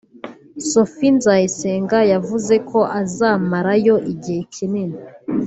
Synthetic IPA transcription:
sofinzajeseːŋɡajavuze̞ko̞ʔazaːmaɾajo̞ʔiɟihekʰineni

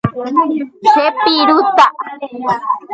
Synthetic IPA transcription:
sepiɾut̪aʔ

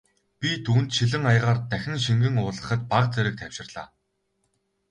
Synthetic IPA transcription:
pʲit̪ʰuːnt̪ʃiɮɘ̆ŋajʁaːrt̪æxʲɪ̆ŋʃiŋɡɘ̆ŋʊːɮʁə̆χə̆t̪̚paqt͡sæɾɘ̆k̚t̪ʰæw̥ʃɪ̆rɮ̥a̰ː

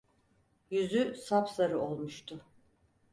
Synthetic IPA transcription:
jyzysapsaɾɯo̞lˠmuʃt̪ʰʊ

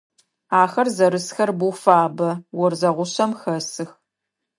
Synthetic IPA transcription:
aːxɐrzɐɾɨsxɐrbuːfaːbɐwɔrzɐʁʷʊɕɐmxɐsɨx

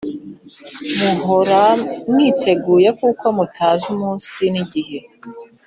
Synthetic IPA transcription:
muɦoɾamnitʰe̞ɡuːje̞kuko̞mutʰaːʒumuːsiniɟihe

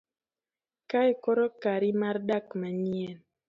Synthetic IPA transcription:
kaɛkɔɾɔkaɾimardakmaɲjɛn

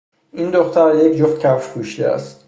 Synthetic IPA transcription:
ʔind̪oxt̪ʰæɾjecʰd͡ʒoft̪cʰæffkʰuʃd̪eæ̰st̪̚

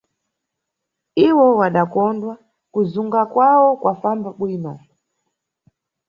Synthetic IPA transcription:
iwɔwaɗakɔndwa | kuzuŋɡakwawɔkwafambaɓwiːnɔ

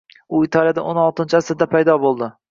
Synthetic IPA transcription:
ʊit̪ʰɑlˠjad̪aʔonɒlˠt̪ɪnt͡ʃʰɪasɪɾd̪apʰajd̪ɒbolˠd̪ɪ

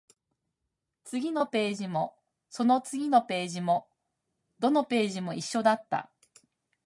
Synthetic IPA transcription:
t͡sɨɡʲino̞pe̞ːʑimo̞ | so̞no̞t͡sɨɡʲino̞pe̞ːʑimo̞ | d̪o̞no̞pe̞ːʑimo̞iɕːo̞d̪at̪ːa̰

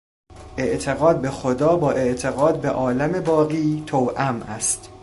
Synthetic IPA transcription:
ʔe̞ʔt̪ʰe̞ɣɒːd̪̚bexod̪ɒːbɒːʔe̞ʔt̪ʰe̞ɣɒːd̪̚beʔɒːlæme̞bɒːɣiːt̪ʰowʔæmæst̪

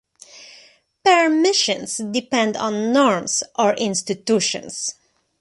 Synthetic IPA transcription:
pəɹmɪʃə̃nsdɪpɛ̃ndɔ̃nːɔɹmsʔɔɹʔɪ̃nst̪ɪt̪uʃə̰̃ns

